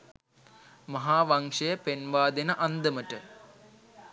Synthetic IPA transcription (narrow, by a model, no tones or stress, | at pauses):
mɐɦaːʋɐŋʂɐjəpenʋaːd̪ɐnɐʔɐnd̪əməʈə